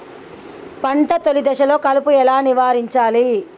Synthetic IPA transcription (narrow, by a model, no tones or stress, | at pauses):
pɐɳʈɐt̪olid̪ɐʃɐlo̞ːkɐlupuɛlaːniʋaːɾiɲt͡ʃaːli